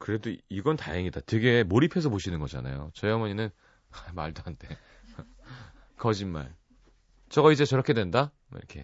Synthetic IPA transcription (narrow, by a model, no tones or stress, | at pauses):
kɯɾe̞doiɡʌnta̰ɦeŋidatwe̞ɡe̞moɾipʰe̞s̬ʰʌpoɕʰinɯnɡʌd͡ʑa̰na̰jo̰t͡ɕʌeʌmʌɲinɯn | ma̰ɭdoantʰe̞ | kʌd͡ʑinma̰ɭ | t͡ɕʌɡʌid͡ʑe̞t͡ɕʌɾʌkʰe̞dwe̞nda̰ | iɾ̰kʰe̞̰